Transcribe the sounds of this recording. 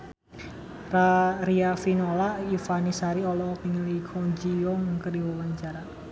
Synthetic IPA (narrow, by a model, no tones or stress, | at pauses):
raɾiafinolaʔifanisaɾiɔlɔpiŋəlikʰɔɲd͡ʒijɔŋkəriwɔwaɲt͡ʃaɾa